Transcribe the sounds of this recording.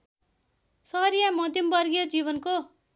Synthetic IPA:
sʌɦʌɾijamʌd̪ʱjʌmbʌrɡijʌd͡ziβʌnko

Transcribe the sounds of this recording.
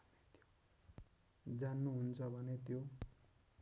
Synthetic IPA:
net̪ʰjo̥ | d͡zanːuɦunt͡sʰʌbʱʌnet̪jo

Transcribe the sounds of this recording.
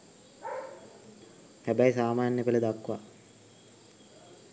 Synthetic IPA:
hæbæjsaːmaːnjəkələd̪akʋa

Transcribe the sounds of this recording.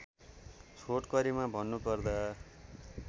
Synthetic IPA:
t͡sʰoʈkʌɾimabʱʌnːupʌrd̪ʌ

